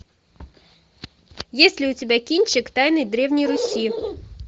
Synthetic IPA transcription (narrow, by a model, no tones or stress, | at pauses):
jɛsʲlʲɪʊtʲibʲɛkʲinʲt͡ʃɪkt̪ɑjnɪjd̪ɾɛwnʲijɾʊsʲi